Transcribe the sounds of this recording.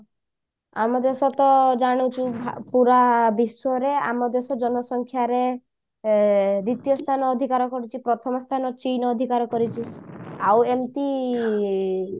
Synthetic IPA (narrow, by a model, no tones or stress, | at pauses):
a̰mɔd̪jɔsɔt̪ɔd͡ʒaɽ̃ut͡ʃʰub̰ʱpuɾabiswɔɾea̰mɔd̪jɔsɔd͡ʒɔnɔsɔŋkʰjaɾe | ɾit̪jɔst̪ʰanɔːd̪ʱikaɾɔkɔɾit͡ʃʰipɾɔt̪ʰɔmɔst̪ʰanɔt͡ʃinɔːd̪ʱikaɾɔkɔɾit͡ʃʰiawemt̪i